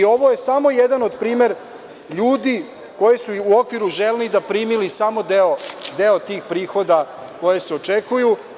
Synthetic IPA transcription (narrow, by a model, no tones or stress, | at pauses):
o̞ʋo̞je̞samo̞jed̪ano̞d̪pɾiːme̞ɾ | ʎuːd̪i | ko̞jesuuo̞kʋiɾuʒelnid̪apɾiːmilisamo̞d̪eod̪eot̪iːxpɾiːxo̞d̪a | ko̞jeseo̞t͡ʃekuju